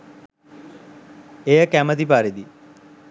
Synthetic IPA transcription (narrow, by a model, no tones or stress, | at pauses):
ejəkæməd̪ipaːɾid̪i